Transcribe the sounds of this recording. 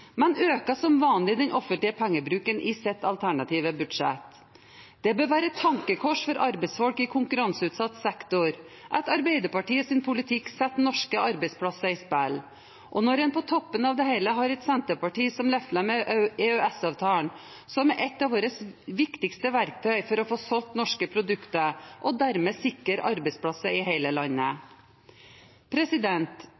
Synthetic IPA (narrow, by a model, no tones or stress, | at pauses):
mɛnøːkɑsɔmʋɑːnlɪd̪ɛnʔɔfənt̪lɪəpʰæŋːəbɾʉːkənʔɪsɛt̪ːɑlt̪ʰæɳɑt̪ʰiːʋəbʉd̪ʂɛ̰t̪ | d̪̥ɛbøːʋæːɾət̪ʰɑŋkəkʰɔʂfɔɾʔɑɾbɛɪsfɔlkɪkʰʊŋkʉɾɑnsəʉːt̪sɑt̪ːsɛkt̪ʊɾ | ʔæɪt̪ɑɾbɛɪd̪əɾpɑʈiːəsɪnpʰʊlɪt̪ʰɪksɛt̪nɔʂkəɑɾbɛɪspʰlɑsɑɪspæl | ʔɔnɔɾɛnpɔt̪ʰɔpːənɑːʋd̪ɛhɛɪləɦɑɾɛt̪sɛnt̪əpɑʈiːsɔmlɛfləmɛɛœɛsɑʋt̪ʰɑːəɳ | sɔmɛʔɛt̪ːɑːʋoːɾəsʋɪkt̪ɪkst̪əʋæɾk̚t̪ʰœʏfɔɾɔfoːsɔlt̪nɔʂkəpʰɾʊd̪ʉkt̪əʔɔd̪æɾmeːsɪkəɾɑ̰ɾbɛɪspʰɽɑsəɪheɪləlɑnːə | pʰɾɛsɪd̪ɛnt̪